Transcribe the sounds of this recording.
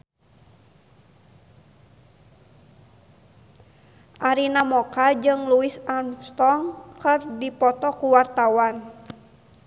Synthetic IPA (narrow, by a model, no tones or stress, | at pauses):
ʔaɾinamɔkad͡ʒɨŋluisanst̪ɔŋkɨrdipɔt̪ɔkuwart̪awan